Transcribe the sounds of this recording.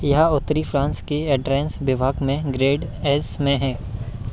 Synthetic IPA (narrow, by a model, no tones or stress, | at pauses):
jɐɦʊt̪ːɾifʰɾãːnskeɛːɖɾɛːnsbɪbʱaːkmẽɡɾeːɖɛːsmẽɦɛ̃ː